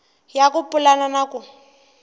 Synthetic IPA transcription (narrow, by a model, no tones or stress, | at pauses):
jakʊpʼʊlananakʊ